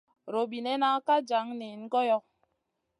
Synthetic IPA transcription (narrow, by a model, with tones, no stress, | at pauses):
ɾo˨bi˨nɛ˦na˦ka˦d͡ʒa˨˦ŋne˨n̩˦ɡɔ˦jɔ˦k̚